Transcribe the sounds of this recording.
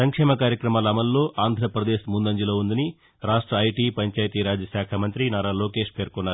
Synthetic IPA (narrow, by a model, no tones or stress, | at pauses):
sɐŋkʂɛːmɐkaːɾjɐkɾɐmaːlɐɐmɐlːo̞ːʔaːnd̪ʱɾɐpɾɐd̪eːʃmund̪ɐɲd͡ʒilo̞ːund̪ɐni | ɾaːʂʈɾɐːjʈiːpɐɲt͡ʃaːjt̪iːɾaːd͡ʒɐʃaːkʰaːmɐnt̪ɾinaːɾaːloːke̞ːʂpeːɾkɔnːaːɾu